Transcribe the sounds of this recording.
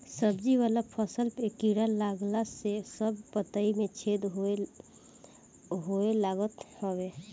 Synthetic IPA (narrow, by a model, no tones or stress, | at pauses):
səbd͡ʒiβalapʰəsəlpekiɽalaɡlasesəbpət̪aimet͡ʃʰed̪ɦoe | ɦoelaɡət̪hɔbe